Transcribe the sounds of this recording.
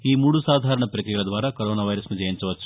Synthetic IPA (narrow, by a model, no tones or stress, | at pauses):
iːmuːɽusaːd̪ʱaːɾɐɳɐpɾɐkɾijɐlɐd̪ʋaːɾaːkoɾoːnaːʋɐjɾɐsnud͡ʒɐjint͡ʃɐʋɐt͡ʃːu̥